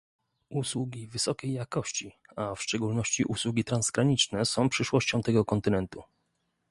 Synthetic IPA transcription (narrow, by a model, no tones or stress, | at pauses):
ʔuswuɡʲivɘsɔkʲejːakɔɕt͡ɕi | afʂt͡ʂɛɡulnɔɕt͡ɕiʔuswuɡʲit̪ɾanzɡɾaɲit͡ʂnɛsɔ̃w̃pʂɘʂwɔɕt͡ɕɔ̃w̃t̪ɛɡɔkɔnt̪ɘnɛnt̪u